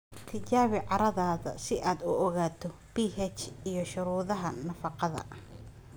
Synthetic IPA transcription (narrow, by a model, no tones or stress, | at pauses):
t̪ʰɪt͡ʃaːβɪʕɑɾɐðaːðɐ̰sɪʔaːd̪ʊɔɣaːt̪ʰɔb̥iːhɛt͡ʃijɞʃʊɾuːðɐɦɐnɐfɑqɑðɐ̰